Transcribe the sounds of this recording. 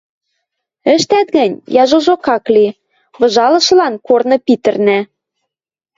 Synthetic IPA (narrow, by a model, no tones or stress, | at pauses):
ɘ̆ʃt̪æt̪̚ɣɘ̆nʲjɑʒoʒokɑkli | βɤ̆ʒɑlɤ̆ʃɤ̆lɑnkornɤ̆pit̪ɘ̆rnæ